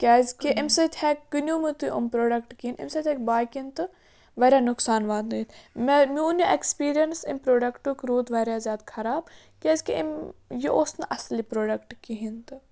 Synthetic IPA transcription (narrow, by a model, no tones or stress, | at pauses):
kʲaːzʲkiʔimsɐt̪ʲʰɛːkʲkːɨnʲuːmɨt̪uʔṵmpɾoːɖɐkʈkinḭmsɐt̪ʰʲɛːk̚ʲbaːjkint̪ɨ | ʋɐɾʲaːnʊksaːnʋaːd̪nɐit̪mmʲuːnɐʔekspiːɾijɐnsḭmpɾoːɖɐkʈukɾuːd̪ʋɐɾʲjazʲjaːd̪kʰɐɾaːb | kʲaːzʲkiḭmjiʔoːsnɐʔɐslipɾoːɖɐkʈkiɦint̪ɨ